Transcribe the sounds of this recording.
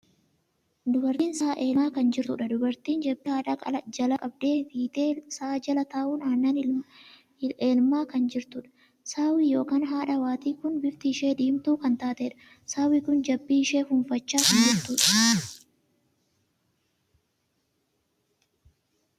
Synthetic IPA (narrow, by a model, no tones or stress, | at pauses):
d̪ʊbɐɾt̪iːnsaːʔeːaːkɐnd͡ʒɪɾt̪ʊ̰ᶑɐd̪ʊbɐɾt̪iːnd͡ʒɐbːɪhaːᶑɐkʼɐlɐd͡ʒɐlɐkʼɐb̚d̪eːfiːt̪eːsaːd͡ʒɐlɐt̪aːʔuːnaːnːanɪ | eːlmaːkɐnd͡ʒɪɾt̪ʊᶑɐ̥ | saːwijo̞ːkaːnɦaːᶑɐwaːt̪iːkʊnbɪɾt̪ɪːʃe̞ːd̪iːmt̪uːkɐnt̪aːt̪eːᶑɐ̥ | saːwɪkʊnd͡ʒɐbːiɪʃeːfʊnfɐt͡ʃːaːkɐnd͡ʒɪɾt̪uːᶑɐ̥